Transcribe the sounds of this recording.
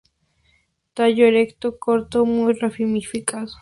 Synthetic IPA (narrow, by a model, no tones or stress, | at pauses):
t̪aʝoeɾekt̪okoɾt̪omujrafimifikaðo